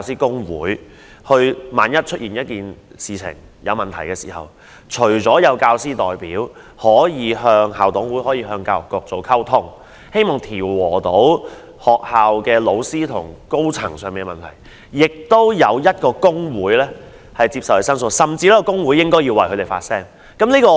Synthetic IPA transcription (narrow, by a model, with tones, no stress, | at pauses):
a˧wsiː˥kʊ˥ŋwṵː˨˥j | hɵ˧ɥmaː˨˥njɐ˥t̚t͡ʃʰɵ˥ʔiː˨njɐ˥t̚kiː˨nsiː˨t͡sʰɪ̰˨˩ŋ | jɐ̰˨˧wmɐ˨˩nt̪ʰɐ˨˩jkɛː˧sḭː˨˩hɐ̰˨w | t͡ʃʰɵ˨˩jt͡sɔː˨˥jɐ˨˧wkaː˧wsiː˥t̪ɔː˨jpiː˨˥w | hɔː˨˥jiː˨˧ɦœː˧ŋɦaː˨wt̪ɔ˨˥ŋwu˨˥jhɔː˨˥jiː˧ɦœː˧ŋkaː˧wjʊ˨˩kːɔː˧k̚t͡so˨˩wkʰɐ˥wt̪ʰʊ˥ŋ | he˥jmɔː˨˩ŋt̪ʰiː˨˩wwɔː˨˩t̪o˨˥w | hɔː˨k̚haː˨wkɛː˧lo˨˧wsiː˥t̪ʰʊ˨˩ŋko˥wt͡sʰɐ˨˩ŋsœː˨˧ŋme˨˧mɐ˨nt̪ʰɐ̰˨˩j | jɪ˨˩k̚t̪o˥wjɐ˨˧wjɐ˥t̚kɔː˧kʊ˥ŋwuː˨˥jlɛː˥ | hɐ˨jt͡si˧psɐ˨wɐ˨˧sɐ˥nso˨˧wsɐ˨˩mt͡si˧liː˥kɔː˧˥kʊ˥ŋwu˨˥jɪ˥ŋkɔː˥jiː˧wɐ˨jhʰɵ˨˧t̪e˨˩faː˧t̚sɛ˥ŋ | kɐ˨˥mniː˥kɔː˧